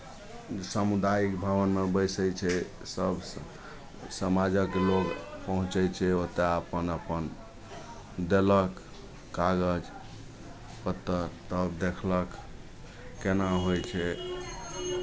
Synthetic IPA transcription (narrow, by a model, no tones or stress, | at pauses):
esəmud̪aikbʱəbənmebəjsəjt͡ʃʰɛ | səbʱs | səmad͡ʒəkloɡpəɦũt͡ʃəjt͡ʃʰɛot̪eəpənəpən | d̪eləkː | aɡəd͡ʒ | pət̪ːəɾt̪əbd̪ekʰlək | kːenaɦojt͡ʃʰɛ